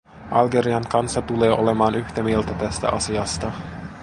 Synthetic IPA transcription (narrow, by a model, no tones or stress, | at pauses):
ʔɑlɡe̞ɾiɑŋkɑnsːɑt̪ule̞ːʔo̞le̞mɑːnyçt̪æmielt̪æt̪æst̪æ̰ʔɑsiɑst̪ɑ